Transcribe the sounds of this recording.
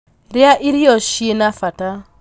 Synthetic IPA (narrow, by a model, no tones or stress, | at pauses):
ɾɪaʔiɾiɔʃienafata